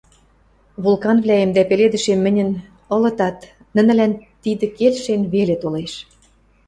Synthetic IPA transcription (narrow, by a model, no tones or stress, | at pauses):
βulˠkɑnβlæemd̪æpeled̪ə̆ʃemːɘ̆nʲə̆n | ɤ̆lɤ̆t̪ɑt̪ | nə̆nə̆lænt̪id̪ə̆kelʃenβelet̪oleʃ